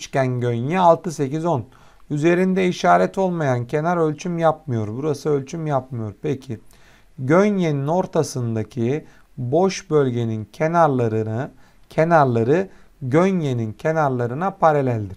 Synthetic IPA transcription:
t͡ʃcænɟønjɛalˠt̪ɯse̞cizo̞n | yze̞ɾind̪ɛiʃaːɾɛt̪ʰo̞lˠmajancʰe̞naɾø̞lʲt͡ʃʰymjap̚mɯjo̞ɾbuɾasɯølʲt͡ʃʰymjapmɯjo̞ɾpʰecʰi | ɟønjenino̞ɾt̪ʰasɯnd̪acʰi | bo̞ʃbø̞lʲɟe̞nincʰenaɾˠaɾ | cʰe̞naɾlˠaɾɯ | ɟønje̞nincʰe̞naɾlˠaɾɯnapʰaɾalʲælʲd̪iɾ̥

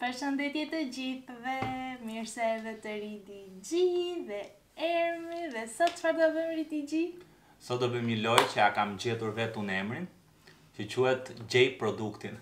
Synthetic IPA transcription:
pəɾʃənd̪ɛt̪jɛt̪əd͡ʑiθðɛmiɾsɛvɛt̪əɾit̪id͡ʑiðɛ | ɛɾmiðɛsɔt̪əfaɾd̪ɔvəmɾit̪id͡ʑi | sɔd̪ɔbəməlɔjt͡ɕəakamd͡ʑɛt̪uɾvɛt̪unɛmɾin | t͡ɕət͡ɕuhɛt̪d͡ʑɛjpɾɔd̪ukt̪in

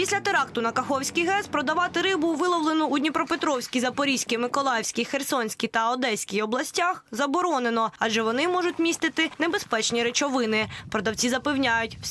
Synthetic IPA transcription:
pʲisʲlʲɐt̪eɾɑkt̪ʊnɐkɐxɔwsʲkɪjɦɛspɾɔd̪ɐʋɑt̪ɪɾɪbʊʋɪlˠɔwlˠenʊːd̪ʲnʲipɾɔpet̪ɾɔwsʲkʲizɐpɔɾʲisʲkʲɪmɪkɔlˠɑjɛwsʲkʲijxersɔnʲsʲkʲit̪ɐɔd̪ɛsʲkʲijɔblˠɐsʲtʲaxzɐbɔɾɔnenɔɐʒɛʋɔnɪmɔʒʊtʲmʲist̪ɪt̪ɪnebe̞spɛt͡ʃnʲiɾet͡ʃɔʋɪnɪpɾɔd̪ɐwt͡sʲizɐpewnʲajʊtʲ

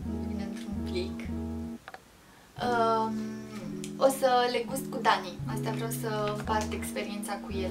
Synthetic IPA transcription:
vineɨnt̪ɾunplik | ə | o̞səle̞ɡust̪kud̪aniast̪eavɾawsəpat̪e̞kspe̞ɾient̪sakujel

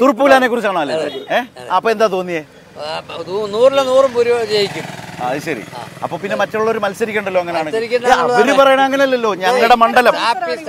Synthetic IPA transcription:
t̪urpːuɣɐlaːne̞kurit͡ɕːaːɳɐmɐlːeeːɐpːoːed̪aːt̪o̞ːnːijeː | unuːrilːenuːrumpuɾud͡ʑejikʲːumaɐðiɕɐɾḭɐ̰pːo̞ːpinːe̞mɐtːouɭːo̞ɾumɐlsɐɾikʲːeːɳɖɐlːo̞ːeŋːɐneaːɳɨikʲːɐɳɐɾupɐrɐjɐɳɐmɐŋːɐneɐlːɐlːo̞ːɲɐŋːɐɭiɽe̞mɐɳɖɐlɐm

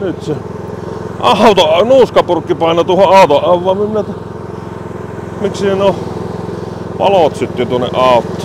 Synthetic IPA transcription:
nyt̪se | ʔɑˑot̪onuːskɑpurkːipɑˑenɑt̪uohoʔʔɑˑot̪oʔʔɑʋːˑɑːmiminæt̪ | miksineno | pɑ̰lot̪sit̪ːit̪uonːḛʔʔɑˑot̪ːo

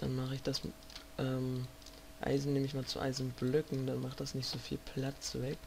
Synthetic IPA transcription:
d̥anmaχəɪçd̥as | ʔɛːm | ʔa̰ɪzn̩neːməɪçmaːlt͡sṵʔa̰ɪzn̩blʏkŋ̩d̥anmaχt̚d̥asnɪçtz̥oːfḭːlpʰl̥at͡svɛk̚

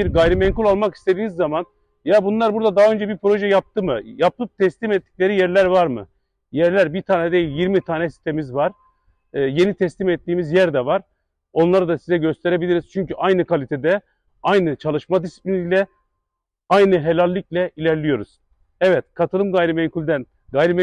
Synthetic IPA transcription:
biɾɡajɾimɛɲkʰulʲˠalˠmaki̥st̪e̞d̪iːnizːaman | jabunlˠaɾbuɾd̪ad̪aɦaø̞nd͡ʒɛbiɾpɾo̞ʒɛjap̚t̪ʰɯmɯjap̚t̪ʰɯp̚t̪ʰɛslʲimɛt̪ʰːi̥clʲe̞ɾijæɾlʲæɾvaɾmɯ̰ | jæɾlʲæɾbiɾt̪ʰaːnɛd̪ejilʲjiɾmit̪ʰaːnɛsi̥st̪ʰemizvaɾ̥ː | je̞nit̪ʰɛslʲimɛt̪ːiːmizjæɾd̪ɛvaɾ̥ | o̞nlˠaɾɯd̪asizɛɟø̞st̪ʰe̞ɾe̞bilʲiɾiz̥t͡ʃʰyɲcyʔajnɯkʰalʲit̪ʰed̪ɛ | ajnɯt͡ʃʰalˠɯʃmad̪isi̥plʲinilʲɛ | ajnɯɦelʲalʲːiclʲɛilʲæɾlʲijo̞ɾuz̥ | ɛvɛt̪kʰat̪ʰɯlˠɯmɡajɾimɛɲkʰulʲd̪æn | ɡajɾimɛ

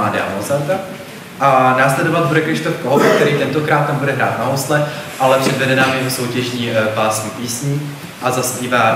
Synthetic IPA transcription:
aːdɪa̰ozant̪a | ʔanaːslɛdo̞vad̪̚budɛkɾɪʃt̪ofkoɦovk̚t̪ɛɾiːt̪ɛnt̪o̞kɾaːt̪̚ːambudɛɦɾa̰ːt̪naɦost̪lɛʔalɛpr̥ɛdvɛdɛnaːmjɛɦoso̞wcɛʒɲiːpaːsɲiːpiːsɲiː | ʔazaspiːvaː

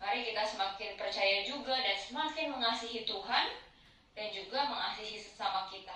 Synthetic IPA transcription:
maɾikit̪asəmakɪnpərt͡ʃajad͡ʒuɡadansəmakɪnməŋasiɦit̪uɦan | dand͡ʒuɡaməŋasiɦisə̥samakit̪a

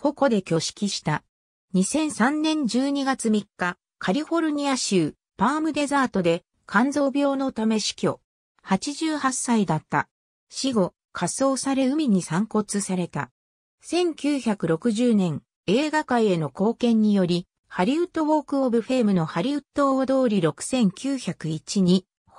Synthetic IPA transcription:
ko̞ko̞d̪e̞kʲo̞ɕi̥kʲiɕi̥t̪a | ɲ̟isẽ̞ɰ̃sãnːẽ̞ɲ̟d͡ʑɨːɲ̟iɡat͡sɨmʲikːa | kʰaɾʲiɸo̞ɾɯ̟ɲ̟ʲiaɕɨː | paːmɯ̟d̪e̞zaːt̪o̞d̪e̞ | kʰãnd͡zo̞ːbʲo̞ːno̞t̪ame̞ɕi̥kʲo̞ | hat͡ɕiʑɨːhasːaid̪at̪ːa̰ | ɕiɡo̞ | kʰaso̞ːsaɾe̞ɯ̟mʲiɲ̟isãŋko̞t͡sɨsaɾe̞t̪a̰ | sẽ̞ŋkʲɨːçakɯ̟ɾo̞kɯ̟ʑɨːnẽ̞ŋ | e̞ːɡakaie̞noko̞ːkẽ̞ɲ̟ːijo̞ɾʲi | haɾʲiɯt̪ːo̞βo̞ːkɯ̟obɯ̟ɸe̞ːmɯ̟no̞haɾʲiɯ̟t̪ːo̞d̪o̞ːɾʲiɾo̞kɯ̟̥sẽ̞ŋkʲɨːçakɯ̟it͡ɕiɲ̟i

